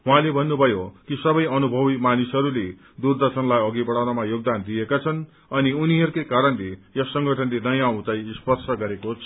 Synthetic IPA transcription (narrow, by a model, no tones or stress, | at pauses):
ɦuɦãlebʱʌnːubʱʌjokisʌbʌjʌnubʱʌbimanisɦʌɾule | d̪urd̪ʌrsʌnlajʌɡibʌɽawnamajoɡ̚d̪and̪iekat͡sʰʌn | ʌniuniɦʌɾukejkaɾʌnlejʌsʌŋɡʱʌʈʰʌnlenʌjãaw̃t͡saj̃spʌrt͡sʰʌɡʌɾekot͡sʰʌ